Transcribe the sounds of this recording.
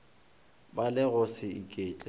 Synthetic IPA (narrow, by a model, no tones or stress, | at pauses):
balɪɣʊsɪikʼeːt͡ɬʼɪ